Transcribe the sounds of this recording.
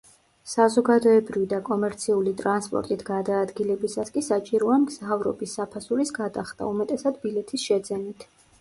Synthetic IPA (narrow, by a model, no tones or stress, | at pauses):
sazɔɡad̪ɔɛbɾivid̪akʼɔmɛɾt̪sʰiulit̪ʼɾanspʼɔ̰ɾt̪ʼit̪ʰɡ̥ad̪aːd̪ɡilɛbisaskʼisat͡ʃʼiɾɔamɡz̥avɾɔ̰bisːapʰasuɾisɡad̪aχd̪a̰umɛt̪ʼɛsad̪bilɛt̪ʰisʃɛd̪zɛnit̪ʰ